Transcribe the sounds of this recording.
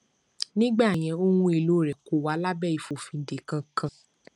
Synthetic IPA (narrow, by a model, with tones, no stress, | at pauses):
nĩ˦ɡ͡ba˦˨j̃ɛ̃˨˧˦o˦wũ˦e˧˨lo˨˦˨ɾɛ˨ko˨wa˨˦la˦bɛ˦˨i˨fo˨fĩ˧˦n̩˨de˨kã˧kã˧˨